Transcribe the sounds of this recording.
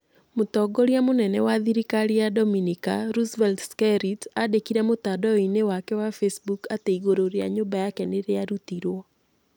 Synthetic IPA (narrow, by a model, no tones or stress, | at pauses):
motɔɡoɾjamonɛnɛwaðiɾikaɾiadɔminika̰ɾusbɛltskɛɾitadekiɾɛmotadɔinewakɛwafesbukateiɡoɾoɾja̰ɲʊbajakɛneɾeaɾutiɾwɔ